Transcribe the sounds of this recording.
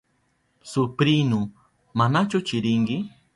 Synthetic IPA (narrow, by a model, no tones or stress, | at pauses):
sʊpɾinʊ | manat͡ʃʊt͡ʃɪɾɪŋkɪ